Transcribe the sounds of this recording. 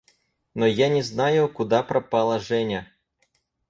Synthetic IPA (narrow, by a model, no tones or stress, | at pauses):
nɔjanʲɛznajʊkʊd̪apɾɐpɑlˠɐʐɛnʲɐ